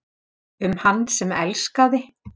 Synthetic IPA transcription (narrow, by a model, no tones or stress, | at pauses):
ʏmhanːsɛmɛ̰lskawðɪ